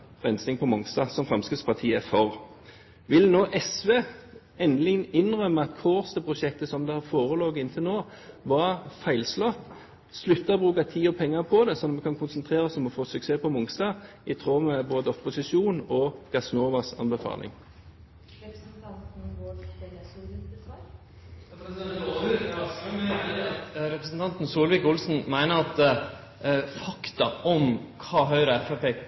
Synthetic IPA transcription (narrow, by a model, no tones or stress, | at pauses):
ʁɛnsɪŋpʰɔmʊŋst̪ɑsɔmfʁɑmskəspʰɑʁt̪ʰiːæfɔʁ | ʋɪlnoːʔɛsʋeː | ɛnlɪŋənɪnːʁœmːəɑt̪kʰoːʁst̪əpʰʁʊʃɛk̚t̪əsɔmd̪ɛhɑʁfoːʁəloːɡɪnt̪ʰɪlnoː | ʋɑʁfæɪlslɔt̪ | slʉt̪ːɑbʁʉːkɑt̪ʰiːɔpʰɛŋːɑpʰɔd̪ɛsɔnːɔmɛkʰɑnkʰʊnsənt̪ʰʁeːʁɔsɔmɔfoːsʉkseːpʰɔmʊŋst̪ɑː | ɪt̪ʰʁoːmɛboːd̪əɔpʊsɪʃuːnɔɡ̥ɑsnoːʋɑsɑ̰nbəfɑ̰ːlʔɪ̰ŋ | psnt̪ʰɑnt̪nʋoesuːlʋik | ɾɛpɾəsn̩t̪ɑnt̪nsuːlʋɪːkʊlsn̩mæɪnəɾɑt̪ | fɑkt̪ɑʔɔmkʰɑːɦœʏɾəɛfæpeː